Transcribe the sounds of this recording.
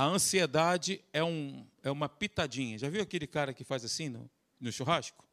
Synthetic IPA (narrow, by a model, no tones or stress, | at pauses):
ɐɐ̃sied̪ad͡ʒɪɛũɛũmɐpit̪ad͡ʒĩɲɐʒaviwakelɪkaɾɐkɪfajzasĩnʊ̰ | nʊʃoɦaʃkʊ̥